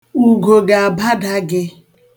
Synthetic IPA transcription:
u˨ɡo˨ɡa˨a˨ba˦da˦ɡɪ˦

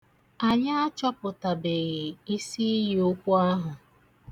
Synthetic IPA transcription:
a˨ɲa˦a˦t͡ʃɔ˦pʊ˨ta˨bɪ˨ɣɪ˨i˦si˦ji˦ʊ˦kʷʊ˦a˦ɦʊ˨

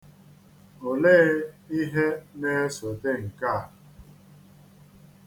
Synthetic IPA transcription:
o˨leː˦i˦ɦe˦ne˦so˨de˦ŋ̩˨ka˦˨a˨

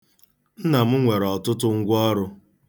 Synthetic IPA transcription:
n̩˦na˨m̩˦ŋʷe˨ɾɔ˨tʊ˦tʊ˦ŋ̩˦ɡʷɔ˦ɾʊ˦

